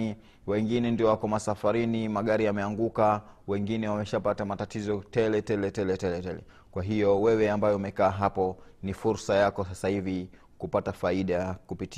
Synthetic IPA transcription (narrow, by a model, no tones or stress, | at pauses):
i | wɛŋɡinɛndiɔwakɔmasafaɾinimaɠaɾijamɛaŋɡukawɛŋɡinɛwamɛʃapatamatatizɔtɛlɛtɛlɛtɛlɛtɛlɛtɛlɛ̰ | kwaɦijɔwɛwɛambajɛumɛkaːɦapɔnifuɾsajakɔsasahivi | kupatafaiɗakupiti